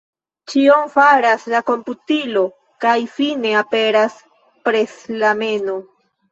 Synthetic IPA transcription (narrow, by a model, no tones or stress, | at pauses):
t͡ʃiomfaɾaslako̞mputilo | kajfine̞ape̞ɾas | pɾe̞slame̞no